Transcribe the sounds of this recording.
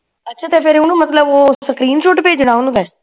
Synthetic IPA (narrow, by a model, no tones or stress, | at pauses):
ətːʃʰaːt̪epʰɪɾʊnũːmət̪ləboːsəkɾiːnʃʊʈpeːd͡ʒəɽ̃ãːʊnũːkɛː